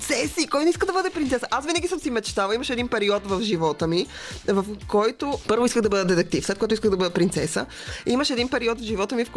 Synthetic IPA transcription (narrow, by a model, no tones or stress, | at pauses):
sɛsikɔjnɛiskəd̪ɐbɤd̪ɛpɾint̪sɛsəʔasvinəɡʲisəmsimɛt͡ʃt̪avəiməʃɛd̪inpɛɾiɔt̪vɐfʒivɔt̪əmivɐfkɔjt̪opɤɾvoiskəxd̪ɐbɤd̪əd̪ɛt̪ɛk̚t̪ifslɛt̪̚kojt̪ʊiskəxd̪ɐbɤd̪ɛpɾint̪sɛsəiməʃɛd̪inpɛɾiɔt̪vʒivɔt̪əmifk